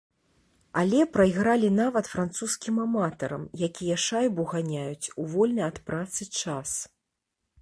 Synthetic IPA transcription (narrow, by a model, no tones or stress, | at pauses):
alʲɛpɾɐjɣɾalʲinavɐt̪fɾant̪suskʲimamat̪ɐɾɐmjakʲijɐʂajbuɣanʲajut͡sʲuvɔlʲnɐjɐt̪pɾat̪sɨt͡ʂas